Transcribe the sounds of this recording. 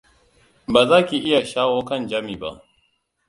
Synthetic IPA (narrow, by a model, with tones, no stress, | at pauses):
baː˨zaː˦kʲi˨ʔɪ˦ja˨ʃaː˦woː˦kɐ˦˨nd͡ʒaː˦miː˨ba̰˦ʔ